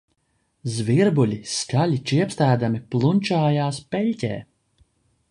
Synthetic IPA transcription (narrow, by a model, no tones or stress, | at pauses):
zviɾbulʲiskalʲit͡ʃiɛpst̪æːd̪amiplˠunʲt͡ʃaːjaːspɛlʲcʲḛː